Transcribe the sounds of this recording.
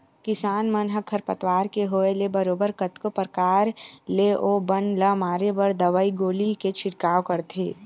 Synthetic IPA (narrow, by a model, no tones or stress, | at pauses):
kɪsaːnmənɦəkʰːəɾpət̪ʋaːɾkeɦoːelebəɾoːbəɾkət̪kopəɾkaːɾleʔoːbənləmaːɾebəɾd̪ɐʋaːiɡoːliket͡ʃʰɪɽkaːwkɐɾt̪ḛː